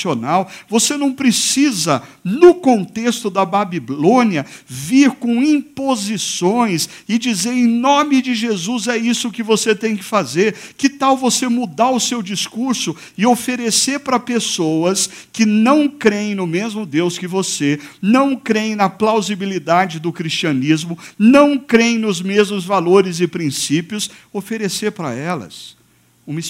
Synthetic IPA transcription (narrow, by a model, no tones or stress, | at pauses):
ionawvosenɐ̃w̃pɾesizɐ | nʊkõnt̪est̪ʊd̪ɐbabilõniɐviɾkõw̃ĩpozisõj̃sɪd͡ʒizeɾẽj̃nõmɪd͡ʒɪʒezuzɛisʊkɪvoset̪ẽj̃kɪ̥fazeɾkɪt̪awvosemud̪aɾʊsewd͡ʒiskuɾsʊ | ɪofeɾeseɾpɾɐpesowɐs | kɪnɐ̃w̃kɾeẽnʊmezmʊd̪ewskɪvosenɐ̃w̃kɾej̃nɐplawzibilid̪ad͡ʒɪd̪ʊkɾist͡ʃiɐnizmʊnɐ̃w̃kɾeẽj̃nʊzmezmʊzvaloɾɪzɪpɾĩsipjʊs | ofeɾeseɾpɾɐ̰ɛlɐ̰s | ũmis